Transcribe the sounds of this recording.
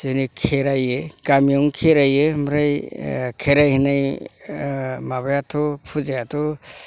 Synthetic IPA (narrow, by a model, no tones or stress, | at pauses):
zɯnɯkʰeɾajɯkamijɔŋkʰeɾajɯmɾajkʰeɾajhinaj | maβajatʰɔpʰuzajatʰɔ